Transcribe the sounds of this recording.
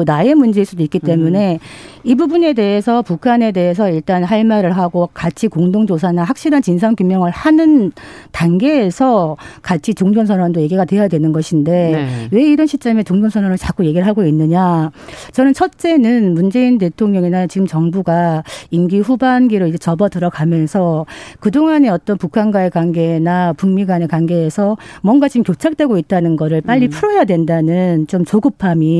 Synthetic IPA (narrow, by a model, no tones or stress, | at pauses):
nae̞mund͡ʑe̞iɭs͈udoik͈itt͈e̞mune̞ibubune̞de̞ɦesʰʌpukʰane̞de̞ɦe̞sʰʌiɭt͈anɦaɭmaɾɯɭɦaɡokat͡ɕʰikoŋdoŋd͡ʑos̬ʰanaɦak̚ɕ͈iɾant͡ɕins̬ʰankjumjʌŋɯɭhanɯn | tanɡe̞ːsʰʌkat͡ɕʰit͡ɕoŋd͡ʑʌŋs̬ʰʌnwandoje̞ɡiɡadwe̞jadwenɯnɡʌɕʰinde̞we̞iɾʌnɕʰit͡ɕ͈ʌme̞t͡ɕoŋd͡ʑʌŋsʰʌnwanɯɭt͡ɕak͈uje̞ɡiɾɭɦaɡoinːɯɲat͡ɕʌnɯnt͡ɕʰʌt̚t͡ɕ͈e̞nɯnmund͡ʑe̞int̬e̞tʰoŋɲʌŋinat͡ɕiɡɯmt͡ɕʌŋbuɡaimɡiɸubanɡiɾoid͡ʑet͡ɕʌbʌtɯɾʌɡamjʌnsʰʌkɯdoŋane̞ʌt͈ʌnpukʰanɡwaekwanɡe̞napuŋmiɡwane̞kwanɡe̞ːsʰʌmwʌnɡat͡ɕiɡɯmkʲjot͡ɕʰak̚t͈we̞ɡoit̚t͈anɯnɡʌɾɯɭp͈aʎːipʰuɾʌjadwe̞ndanɯnt͡ɕomt͡ɕoɡɯpʰami